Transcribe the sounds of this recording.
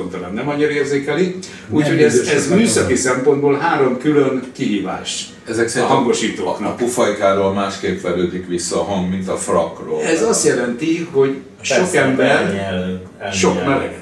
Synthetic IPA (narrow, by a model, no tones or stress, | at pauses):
ont̪ɒnamnɛmɒɲːiɾɒeːrzeːkɛli | uːcho̞ɟɛzɛzmyːsɒkisɛmpo̞nd̪boːlɦaːɾo̞mkylønkiɦiːva̰ːʃt̪ | ɛzɛkɒɦɒŋɡo̞ʃiːt̪o̰ːknɒpufɒikaːɾoːlmaːʃkeːpʋɛløːd̪ikʋisːɒːɦɒŋɡmint̪ɒfrɒkroːɛzɒst̪jɛlɛnt̪iho̞ɟ | ʃo̞kɛmbɛr | ʃʃo̞kmɛlɛ̰ɡɛ